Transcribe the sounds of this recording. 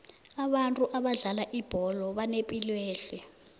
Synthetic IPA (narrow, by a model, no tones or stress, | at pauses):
aɓantʼuʔaɓaɮalaʔib̥ʱɔlɔɓanepʼilweːɬɛ